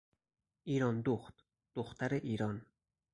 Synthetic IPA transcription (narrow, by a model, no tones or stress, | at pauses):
iːɾɒnd̪oxt̪ | d̪̥oxt̪ʰæɾeʔiːɾɒn